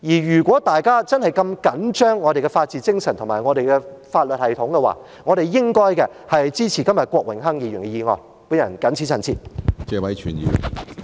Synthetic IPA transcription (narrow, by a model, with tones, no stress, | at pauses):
jiː˨˩jyː˨˩kʷɔː˨˥t̪aː˨jkaː˥t͡sɐ˥nhɐ˨jkɐ˧mkɐ˨˥nt͡ʃœː˥ŋːɔː˨˧ɾe˨jkɛ˧faː˧t̚t͡siː˨˧t͡sɪ˥ŋsɐ˨˩nt̪ʰʊ˨˩maː˨˩jŋɔː˨˧ɾe˨jkɛ˧faː˧t̚lɵ˨t̚hɐ˨jt̪ʰʊ˨˥ŋkɛ˧wa̰ː˨˩ | ŋɔ˨˧ɾe˨jɪ˥ŋkɔː˥jkɛ˧ | hɐ˨jjt͡siː˥t͡sʰiː˨˩kɐ˥mjɐ˨t̚kʷɔː˧k̚wɪ˨˩ŋɦɐ˥ŋjiː˨˧jyː˨˩nkɛ˧jiː˨˧ŋɔ̰ː˨˩j | puː˨˥njɐ˨˩nkɐ˨˥nt͡sʰiː˨˥t͡sʰɐ˨˩nt͡sʰḭː˨t̚t͡sɛː˧wɐ˨˥jt͡ʃʰyː˨˩njḭː˨˧